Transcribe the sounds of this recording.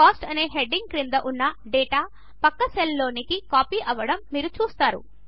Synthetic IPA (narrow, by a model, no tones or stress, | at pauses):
kaːsʈɐne̞ːɦeɖːiŋɡ̚kɾind̪ɐʔunːɐɖɛːʈaː | pɐkːɐselːo̞ːnikikaːpiːʔɐʋːɐɽɐmːiːɾut͡ʃuːst̪aːɾṵ